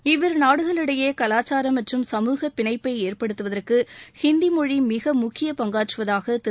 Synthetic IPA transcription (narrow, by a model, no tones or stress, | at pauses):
ɪʋɐɾnaːɽɯɣɐɭɯɽɐjeːkɐlaːt͡ʃːaːɾɐmːɐʈrɯmsɐmuːɣɐpːɪɳɐɪpːɐɪeːrpɐɽɯt̪ːɯʋɐðɐrkɯhɪnd̪imɔɻimɪɣɐmʊkːɪjɐpɐŋɡaːʈrɯʋɐðaːɣɐt̪ɪ